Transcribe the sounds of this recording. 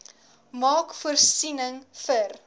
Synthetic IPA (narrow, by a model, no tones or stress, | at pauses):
mɑːkfuərsinəŋfər